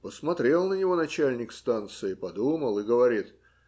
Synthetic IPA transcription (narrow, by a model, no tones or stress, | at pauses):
pəsmɐt̪ɾʲe̞lˠnənʲɪvo̞nɐt͡ɕælʲnʲɪkst̪ant̪sɨɪpɐd̪uməlˠɨɡəvɐɾʲit̪